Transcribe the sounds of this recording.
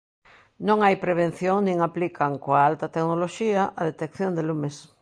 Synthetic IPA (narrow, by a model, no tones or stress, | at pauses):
nõŋajpɾeβ̞en̟θjoŋnĩŋaplikʰaŋkoaalt̪at̪eknoloʃiaʔaðet̪ekθjond̪elumes